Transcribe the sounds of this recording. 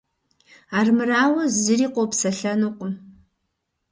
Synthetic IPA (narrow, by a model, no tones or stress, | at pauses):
aːrmɨraːwɐzɨɾiːqʷɔpsɐɬɐnuqʷʼʊm